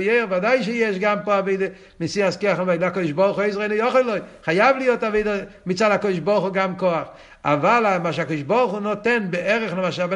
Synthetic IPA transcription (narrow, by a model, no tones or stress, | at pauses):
jeʁvadaɪʃ̬ɪjɛʃɡampoaveɪdə | mɪsiːaskeaχnomaɪlakɔdɪʃbɔʁχʊeɪsʁeɪnʊjɔχɔlˠɔɪχajavlɪjotaveɪdəmɪt͡saːdhakɔdɪʃbɔʁχʊɡamkoaχ | a̰valˠamaʃakɔdʃbɔʁχʊnotɛnbeʔɛʁəχnomaʃab